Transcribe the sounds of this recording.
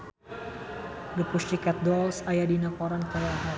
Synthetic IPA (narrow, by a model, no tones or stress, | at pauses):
ɡəpusikat̪̚dɔlsajadinakɔɾankəɾaɦa